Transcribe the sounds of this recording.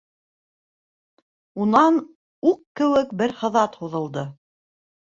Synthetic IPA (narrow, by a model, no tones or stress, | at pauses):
unɑn | uqkɘ̆wɘk̚bɘɾχɤ̆ðɑt̪huðɤ̆lˠd̪ɤ